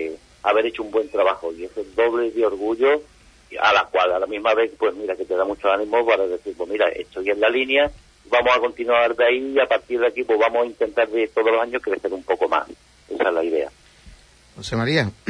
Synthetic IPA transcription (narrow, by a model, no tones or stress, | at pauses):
e | aβ̞e̞ɾe̞t͡ʃuumbwe̞nt̪ɾaβahoie̞seld̪o̞βle̞ðeo̞ɾɣuʎo | a̰lakwalalamiɦmaβe̞pwe̞ɦmiɾake̞t̪e̞ðamut͡ʃoanĩmopaɾaðe̞θiɾpomiɾa̰ʔe̞̰ht̪ʰoje̞nlalinja | iβamosako̞nt̪inwaɾðaiːapaɾt̪iɾðakipwoβamosaint̪ent̪aɾðe̞t̪o̞ð̞olosaɲohkɾe̞θe̞ɾumpo̞ko̞ma̰s | e̞saelaiðe̞a̰ | hosemaɾia